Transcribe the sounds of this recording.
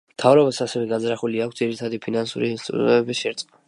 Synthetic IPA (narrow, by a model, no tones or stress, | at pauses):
mt̪ʰavɾɔbasasɛvɛɡad̪zɾaχuliakʰtd̪ziɾit̪ʰad̪ipʰinansṵɾiːnst̪ʼɾṵmɛbisʃɛɾt̪sʼqʼa